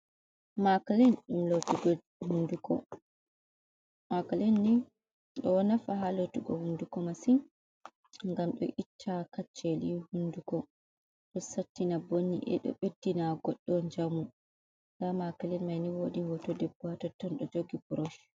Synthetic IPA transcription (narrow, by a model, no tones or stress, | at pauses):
makalɛnɗumlotuɡɔ | hundukɔ̰ | makalɛnːi | ɗɔwanafaɦalotuɡɔ̰hundukɔmasin | ŋɡamɗɔ̰ʔitʰːakat͡ʃːelihundukɔ | ɗɔsatːinabonːḭʔɛ̰ɗɔ̰ɓedːinaɡɔɗːɔɲd͡ʒamu | ɡamakalɛnmajniwoɗihɔtɔdɛbuatɔtːɔnɗɔd͡ʒoɡibuɾoʃ